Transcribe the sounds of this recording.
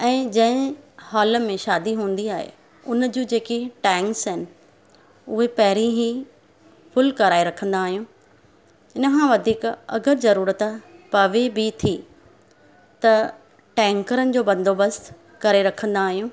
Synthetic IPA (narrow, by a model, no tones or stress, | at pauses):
ɛ̃ːd͡ʑɐ̃ɦɪ̃haːlə̆mẽʃaːd̪iɦũːn̆d̪iaːɦḛ | ʊnd͡ʑiːd͡ʑeːkiʈɛ̃ːŋksɦɪnɪ̆ | ʊɦepɐɦɪɾĩɦi | fʊlkɐɾaːeɾɐkʰə̃nd̪aːɦijũː | ɪnəkʰãːʋɐd̪ʱiːkɐ̰ɡəɾzɐɾuːɾət̪pɐʋebʱit̪ʰi | t̪ɐ | ʈɛ̃ːŋkəɾənɪ̆d͡ʑoːbɐ̃nd̪ʱoːbɐs | kɐɾeɾɐkʰə̃n̆d̪aːɦijũː